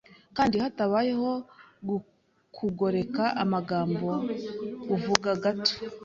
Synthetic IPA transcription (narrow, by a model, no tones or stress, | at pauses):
kaːndihataβaje̞ho̞ɡu | kʰuɡo̞ɾe̞kaʔamaɡaːmbo̞ː | vuɡaɡato̥